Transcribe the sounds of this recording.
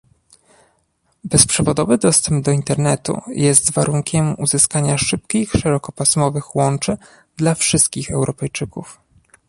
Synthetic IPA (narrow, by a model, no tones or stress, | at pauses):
bɛspʂɛvɔd̪ɔvɘd̪ɔst̪ɛmbd̪ɔint̪ɛɾnɛt̪ṵjɛst̪vaɾʔuŋkʲɛmuzɘskaɲaʂɘp̚kʲixʂɛɾɔkɔpasmɔvɘxwɔnt͡ʂɘ | d̪lafʂɘst̪̚kʲixɛwɾʔɔpɛjt͡ʂɘkuf